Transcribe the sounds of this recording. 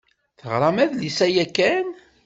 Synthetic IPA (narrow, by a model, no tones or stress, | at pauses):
θəʁɾˤɑmæðlisæjækːæn